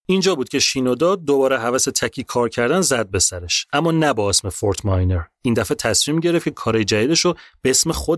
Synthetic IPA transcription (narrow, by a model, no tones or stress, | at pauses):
ind͡ʒɒːbuːd̪̥̚cʲʰe̞ʃiːnod̪ɒːd̪obɒːɾeɦævæset̪ʰæcʰiːkʰɒːɾcʰæɾd̪ænzæd̪̚be̞sæɾe̞ʃæmːɒːnæbɒːesmefoɾt̪ʰmɒjneɾ | iːnd̪æfet̪ʰæsmiːmɟe̞ɾefcʰekʰɒːɾɒːjed͡ʒæd̪iːd̪eʃob̥eesmexo